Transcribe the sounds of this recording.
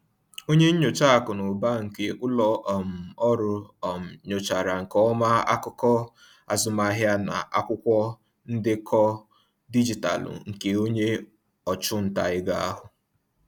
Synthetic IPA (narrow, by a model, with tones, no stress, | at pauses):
o˦ɲe˦ɲ̩˦ɲo˨t͡ʃa˦a˨kʊ˨nʊ˨ba˦ŋ̩˨ke˨kʷʊ˦lɔ˦ʔɔ˨m̩˨ɔ˦ɾʊ˨ɔ˨m̩˨ɲo˨t͡ʃa˨ɾa˨ŋ̩˨kɔ˦ma˦a̰˦kʊ˦kɔ˦ | a˨zʊ˦ma˦ɦja˦na̰˨ʔa˦kʷʊ˦kʷɔ˦ | n̩˦dɪ˦kʰɔ˦ | di˦d͡ʒi˨ta̰˨lʊ̰˨ŋ̩˨ke˨o˦ɲe˦ | ɔ˨t͡ʃʊ˦n̩˨ta˨ɪ˦ɡa˦a˦ɦʊ˨